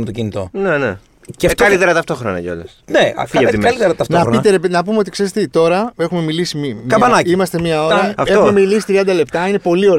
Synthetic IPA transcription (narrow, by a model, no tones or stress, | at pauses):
met̪ocinit̪o̞̰nene | cɐt̪ɐlit̪eɾɐt̪ɐft̪o̞xɾo̰nɐ̰ʝɐo̞̰lɐ̰sneɐ̰fiɐimɐlit̪eɾɐt̪ɐft̪onɐit̪eɾepenɐpumeo̞t̪̬ikse̞ɾest̪et̪o̞ɾɐe̞xume̞milisimimkɐbɐnɐcimɐst̪e̞mɲɐo̞ɾɐɐfteommemilisi̥t̪ɾiɐnd̪ɐle̞p̚t̪ɐine̞po̞lio̞ɾ